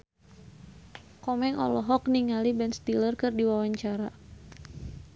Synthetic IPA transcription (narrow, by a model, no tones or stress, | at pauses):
kɔmɛŋʔɔ̰lɔɦɔk̚niŋalibɛnst̪ilərkɨrdiwawaɲt͡ʃaɾa